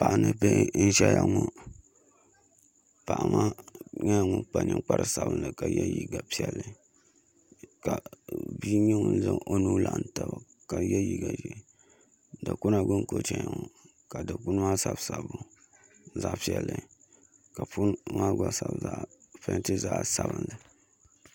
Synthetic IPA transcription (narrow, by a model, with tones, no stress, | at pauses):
pa˨ʔa˨nɨ˨pe˦n̩˦ʃɛ˦ja˨ŋu˦ | pa˨ʔa˨ma˦ɲa˦ja˨ŋʊ˦k͡pa˦nɨ̰̃˦k͡pa˦ɾɨ˨sa˨bɨ˦nlɨ˨ka˨jɛ̰˦ji˦ɡa˨pi˦ɛ˦lːɨ˨ | ka˨bi˦ɲi˦ŋ˦n̩˦zɨ˦ŋo˦nuː˦la˨ʔn˨ta˦˨ba˨ | ka˨jɛ˦ji˦ɡa˨ʒɛ˦˨ | da˨ku˦na˨ɡʊ˦nko˨t͡ʃɛ˦ɲa˨ŋɔ˨ | ka˨da˨ku˦n˦ma˦sa˦bsa˨bʊ˨˦ | za˦˨ʔpi˨ɛ˨lːɨ˨ | ka˨fu˦ma˦ɡa˦sa˨bza˦ʔfɛ˦tɨ˦za˦ʔsa˦βɨ˦nlɨ˨